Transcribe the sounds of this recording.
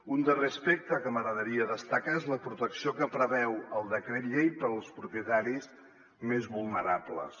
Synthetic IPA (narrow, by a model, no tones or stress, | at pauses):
und̪ərespek̚t̪əkəməɣɾəðəɾiəðəst̪əkaezləpɾut̪əksiokəpɾəβɛwəlˠd̪əkɾet̪ʎejpəɾlˠspɾupjət̪aɾis | mezβulˠnəɾablə̰s